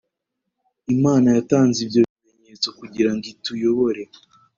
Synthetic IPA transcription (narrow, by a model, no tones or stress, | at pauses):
imaːnajataːnzibjo̞βimeɲet͡so̞kuɟiɾaŋɡitujo̞βo̞ɾe̞